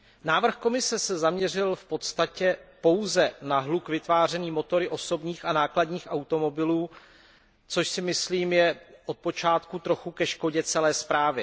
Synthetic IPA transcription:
naːvr̩xko̞mɪsɛsɛzamɲɛrɪlfpo̞t̪st̪acɛpo̞wzɛnaɦlukvɪt̪vaːr̝ɛniːmo̞t̪o̞ɾɪʔo̞so̞bɲiːxanaːkladɲiːxʔawt̪o̞mo̞bɪluː | t͡so̞ʃsɪmɪsliːmjɛʔo̞t̪̚po̞t͡ʃaːt̪kut̪ɾo̞xukɛʃko̞ɟɛt͡sɛlɛːspɾaːvɪ

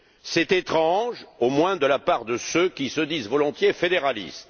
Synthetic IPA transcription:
sɛt̪et̪χɑ̃ʒomwɛ̃d̪əlapaʁd̪əsøkʲisəd̪izvɔlɔ̃t̪jefed̪eʁalḭst̪

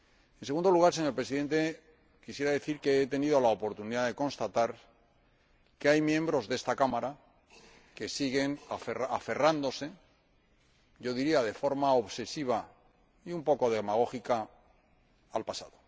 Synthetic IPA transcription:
e̞nse̞ɣund̪oluɣ̞aɾs̬eɲopɾe̞s̬iðe̞nt̪e̞ | kisjeɾaðe̞θiɾke̞et̪e̞nið̞o̞laopo̞ɾt̪uniðaðe̞kõ̞nst̪at̪aɾ | keajmjẽ̞mbɾo̞zðe̞st̪akamaɾa | ke̞siɣe̞naferaafe̞rand̪o̞se̞ | ɟ͡ʝo̞ðiɾiað̞e̞fo̞ɾmao̞βse̞siβ̞a | iumpo̞ko̞ðemaɣo̞xika | alpasa̰ðo̞

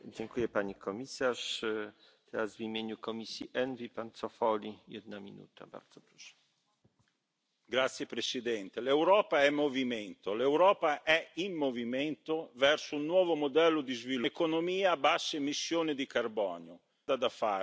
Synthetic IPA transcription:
d͡ʑɛŋkujɛpaɲikʰɔmʲisaʂ | t̪ʰɛɾazvimʲjeɲukɔmʲisʲjiʔɛnvʲipant̪sɔfɔlʲijɛd̪̚namʲḭnṵt̪a̰ba̰ɾd̪z̥ɔpɾɔ̥ʂɛ̥ | ɡɾat̪sːjepɾesid̪ɛnt̪elewɾɔːpaɛmːoviment̪olewɾɔːpaʔɛimːoviment̪ovɛrsounːwɔːvomod̪ɛlːod̪izvilkonomiːabasːemisːjoːnid̪ikarbɔ̰ːnjo | d̪ad̪afa̰

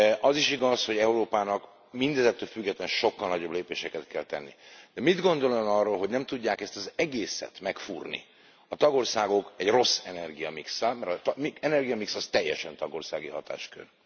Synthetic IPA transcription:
ʔɒziʃiɡɒsho̞ɟɛuɾoːpaːnɒk | mind̪ɛzɛt̪ːøːlfyɡːɛt̪lɛnʃo̞kːɒlnɒɟo̞bleːpeːʃɛkɛt̪kɛlt̪ɛnːid̪̥ɛmid̪ɡo̞nd̪o̞loonɒrːoːlɦo̞ɟnɛmt̪uɟːaːkɛst̪ɒzɛɡeːsɛ̰t̪mɛkfṵrnḭ | ɒt̪ɒɡo̞rsaːɡo̞kɛɟro̞sːɛnɛrɡijɒmiksamɛɾt̪miɛnɛrɡijɒmiksɒst̪ɛjːɛ̰ʃɛnt̪ɒɡo̞rsa̰ːɡiɦɒt̪a̰ːʃkø̰r

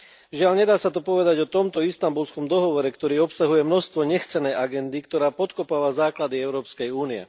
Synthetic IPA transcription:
ʒɪaʎɲɛd̪aːsat̪̬ɔpɔʋɛd̪aɟɔt̪ɔmt̪ɔist̪ambulskɔmd̪ɔɦɔʋɔɾɛkt̪ɔɾiːɔpsaɦujɛmnɔst̪ʋɔɲɛxt͡sɛnɛjʔaɡɛnd̪ikt̪ɔɾaːpɔt̪kɔpaːʋazaːklad̪iɛʊɾɔːpskɛjuːniɛ̰

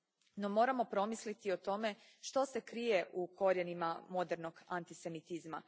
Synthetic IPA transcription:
no̞mo̞ːɾamo̞pɾo̞mislit̪io̞t̪o̞me̞ | ʃt̪o̞se̞kɾije̞ʔuko̞ɾjenimamo̞d̪e̞ɾno̞ɡa̰nt̪ise̞mit̪izma

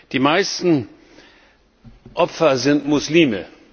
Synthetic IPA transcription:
d̥iːmaɪstn̩ | ʔɔpfɐzɪntmʊsliːmə

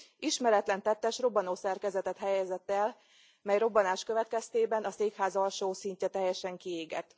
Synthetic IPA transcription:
iʃmɛɾɛt̪lɛnt̪ɛt̪ːɛʃro̞bɒnoːsɛrkɛzɛt̪ɛt̪ɦɛjɛzɛt̪ːɛl | mɛjro̞bɒnaːʃkø̞vɛt̪̚kɛst̪eːbɛnɒseːkhaːzɒlʃoːsiɲcɛt̪ɛjɛʃɛŋkieːɡɛ̰t̪

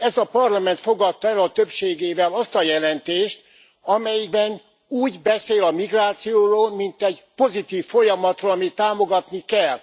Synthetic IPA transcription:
ɛzɒpɒrlɒmɛnt̪fo̞ɡɒt̪ːɛlɒt̪øpʃeːɡeːvɛlɒst̪ɒjɛlɛnt̪eːʃt̪ | ɒmɛjiɡ̚bɛn | uːɟbɛseːlɒmiɡraːt̪sijoːroːlmint̪ɛɟpo̞zit̪iːfːojɒmɒt̪roːlɒmit̪ːaːmoɡɒt̪nikɛlː

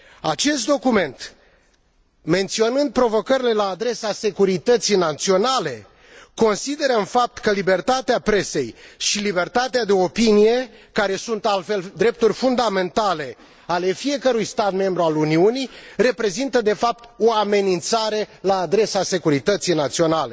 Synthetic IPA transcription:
at͡ʃe̞st̪̚d̪o̞kume̞nt̪ | me̞nt̪sio̞nɨnd̪̚pɾo̞vo̞kəɾile̞laːd̪ɾe̞sase̞kuɾit̪ət̪sijnat̪sio̞nale̞ | ko̞nsid̪e̞ɾəɨnfap̚t̪kəlibe̞rt̪at̪eapɾe̞se̞jʃilibe̞rt̪at̪ead̪e̞o̞pinije̞kaɾe̞sunt̪alt̪fe̞ld̪ɾe̞p̚t̪urʲfund̪ame̞nt̪ale̞ | ale̞fije̞kəɾujst̪at̪me̞mbɾualuniunijre̞pɾe̞zint̪əd̪e̞fap̚t̪o̞ame̞nint̪saɾe̞laːd̪ɾe̞sase̞kuɾit̪ət̪sijnat̪sio̞nale̞

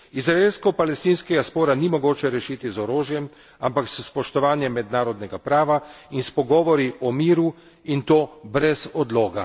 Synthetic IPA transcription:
izɾaeːlskɔpalɛst̪iːnskɛɡaspoːɾanimɔɡoːt͡ʃɛɾɛʃiːt̪izɔɾoːʒjɛm | ampaksspɔʃt̪ɔʋaːnjɛmːɛd̪naːɾɔd̪nɛɡapɾaːʋa | inspɔɡɔːʋɔɾiʔɔmiːɾu | int̪oːbɾɛzɔd̪loːɡa

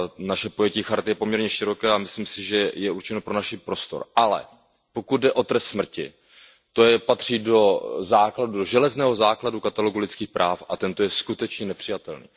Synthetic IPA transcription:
naʃɛpo̞jɛciːxaɾt̪ɪjɛpo̞mɲɛɾɲɛʃɪɾo̞kɛːamɪsliːmsɪʒɛjɛuɾt͡ʃɛnopɾo̞naʃipɾo̞st̪o̞̰ɾʔalɛ̰ | po̞kud̪̚dɛʔo̞t̪ɾɛst̪smr̩cɪ | t̪o̞jɛpat̪r̝̥iːdo̞zaːkladudo̞ʒɛlɛznɛːɦo̞zaːkladukat̪alo̞ɡulɪt͡skiːxpɾʔaːfʔat̪ɛnt̪ojɛskut̪ɛt͡ʃɲɛnɛpr̥ɪjat̪ɛlnḭː

